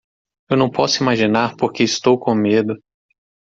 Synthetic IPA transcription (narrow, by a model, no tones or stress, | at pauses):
ewnɐ̃w̃pɔsʊimaʒinaɾpoɾkeɪst̪owkõmed̪ʊ